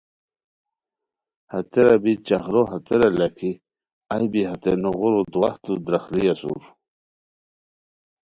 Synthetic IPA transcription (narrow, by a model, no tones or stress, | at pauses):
hat̪eɾabit͡ɕaχɾoɦat̪eɾalakʰi | ajbiɦat̪enoɣuɾud̪waht̪ud̪ɾaxliasṵɾ